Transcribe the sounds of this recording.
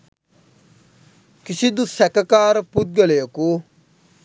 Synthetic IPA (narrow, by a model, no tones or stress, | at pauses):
kɪsid̪usɛkakaːɾput̪̚ɡəleoko